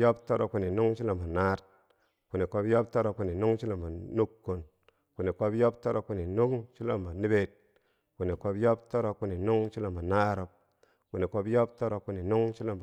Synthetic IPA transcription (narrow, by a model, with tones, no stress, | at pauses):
jo˦pto˦ɾo˨kːu˨ni˨nu˦ŋʃi˦lo˨mba˨na˦t | ku˨ni˨ko˧bjo˦pto˦ɾo˨kːu˨ni˨nu˦ŋʃi˦lo˨mba˨nu˦kːu˨n | ku˨ni˨ko˦bjo˦p̚to˦ɾo˨kːu˨ni˨nu˦ŋʃi˦lo˨mba˨ni˦be˦t̚ | ku˨ni˨ko˧bjo˦pto˦ɾo˧kːu˨ni˨nu˦ŋʃi˦lo˦˨mba˨na˦ɾo˨p̚ | ku˨ni˨ko˦bjo˦p̚to˦ɾo˨kːu˨ni˨nu˦ŋt͡ʃi˦lo˦˨mb